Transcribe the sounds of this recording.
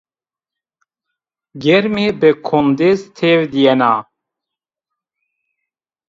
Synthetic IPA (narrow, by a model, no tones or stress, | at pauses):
ɡɛɾmebɨkʰond̪ezt̪ʰevd̪ijɛnaː